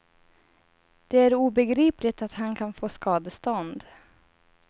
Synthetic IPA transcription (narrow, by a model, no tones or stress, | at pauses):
d̪̥ɛæɾuːbɛɡɾiːplɪɡ̚t̪at̪hankʰanfoːskɑːd̪əst̪ɔnd̪